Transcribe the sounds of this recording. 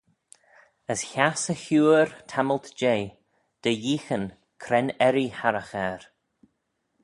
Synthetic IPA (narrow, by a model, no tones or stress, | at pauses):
əsçasəçuːɾtʰaməlt̪d͡ʒeː | d̪̥əjiːxən | kʰɾɛnɛɾihaɾəxɛɾ